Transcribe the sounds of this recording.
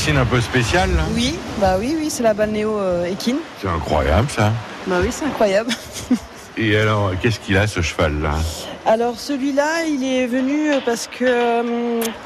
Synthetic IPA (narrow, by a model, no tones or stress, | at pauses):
sinɛ̃pøspesjalwibawiwisɛlabalneoøekʲinsɛt̪ɛ̰̃kχwa̰ja̰blsa | bawisɛt̪ɛ̃kχwajabl | ealɔʁkʲɛskʲilasəʃəva̰lːa̰alɔʁsəlɥilailɛvənyøpaʁsə̥kʰəm